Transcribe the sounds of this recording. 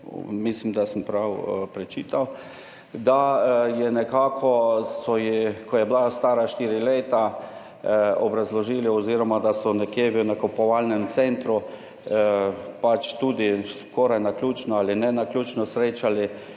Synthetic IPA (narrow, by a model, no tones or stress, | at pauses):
mislimd̪asəmpɾawpɾɛt͡ʃiːt̪aw | d̪ajɛnɛkaːkʰɔsɔjikɔjɛblast̪aːɾaʃt̪iːɾileːt̪a | ɔbɾazlɔʒiːliɔziːɾɔmad̪asɔnɛkjeːʋiwnakopɔʋalnɛmt̪sɛnt̪ɾu | pat͡ʃt̪uːd̪iskɔɾajnaklʲuːt͡ʃnɔalɪnɛnaklʲuːt͡ʃnɔsɾeːt͡ʃali